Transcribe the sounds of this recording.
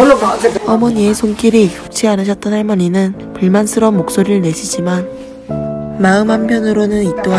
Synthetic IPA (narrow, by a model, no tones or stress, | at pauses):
ʌmʌɲie̞sʰoŋk͈iɾikok̚t͡ɕʰianɯɕʰʌt͈̚ʌnɦaɭmʌɲinɯn | puɭmansʰɯɾʌnmok̚s͈oɾiɭne̞ɕʰid͡ʑiman | maɯmɦampʰjʌnɯɾonɯnit͈oa